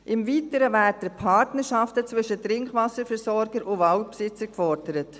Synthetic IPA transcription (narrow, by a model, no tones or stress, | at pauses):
ʔɪmviːtəɾəvæːdəpʰɑɾtnəɾʃɑftət͡svʏʃətɾɪŋkχʋɑsəɾfɛɾsɔɾɡəɾʔʊʋɑʊtpsɪt͡səɾkfɔɾdəɾət